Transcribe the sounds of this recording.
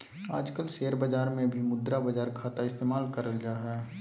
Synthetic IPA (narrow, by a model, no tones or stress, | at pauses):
a̰ːd͡ʒkəlseːɾbəd͡ʒaːɾmẽbʱimʊd̪ɾabɐd͡ʒaːɾkʰaːt̪aɪst̪eːmaːlkəɾəld͡ʒaːɦɛː